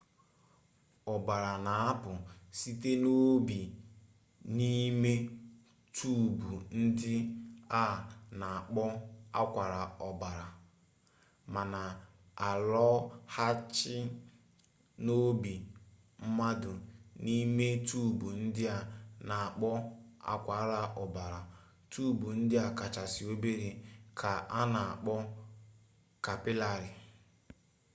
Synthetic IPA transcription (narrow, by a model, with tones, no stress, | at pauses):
ɔ˨ba˨ɾa˨na˨a˦pʊ˨si˦te˦no˦bi˨ | ni˦me˦ | tʰuː˦˨bu˨n̩˦dɪ˦a˦˨na˨a˨k͡pɔ˦a̰˦kʷa˨ɾa˨ɔ˨ba˨ɾa˨ | ma˨na˨ | a˨lɔ˦ha˦t͡ʃɪ˦ | no˦bi˨ | m̩˦ma˦dʊ˨ni˦me˦tu˦˨bu˨n̩˦dɪ˦a˨na˨a˨k͡pɔ˦a̰˦kʷa˨˦ɾa˨ʔɔ˨ba˨ɾa˨ | tʰuː˦˨bu˨n̩˦dɪ˦a˨ka˨t͡ʃa˨si˨o˦be˦ɾi˨kʰa˨ʔa˦na˨a˨k͡pɔ˦ | ka˨pɪ˦la˦ɾɪ˨